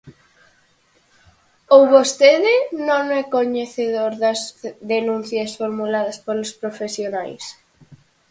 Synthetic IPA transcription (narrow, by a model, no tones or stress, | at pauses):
owβost̪eðɪnõŋɛkoɲeθeðoɾðɐzðenũn̟θjɐsfoɾmulaðɐspoɾlʊspɾofesjonajs